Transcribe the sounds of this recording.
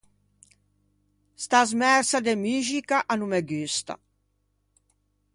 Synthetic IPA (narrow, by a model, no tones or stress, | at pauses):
st̪azmɛɾsad̪emyʒikaʔanumɛɡyst̪a̰